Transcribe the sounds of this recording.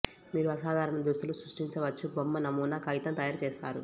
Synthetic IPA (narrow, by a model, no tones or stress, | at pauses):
miːɾuɐsaːd̪ʱaːɾɐɳɐd̪ɾust̪ulusɾuʂʈiɲt͡ʃɐʋɐt͡ʃːubomːɐnɐmːuːnɐkɐjit̪ɐmt̪ɐjaːɾt͡ʃeːst̪aːɾu